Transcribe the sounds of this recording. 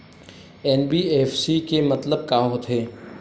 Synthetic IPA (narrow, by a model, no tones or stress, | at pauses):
ɛːnbiːeːfsikemɐt̪ləb̚kãːɦot̪ʰɦeː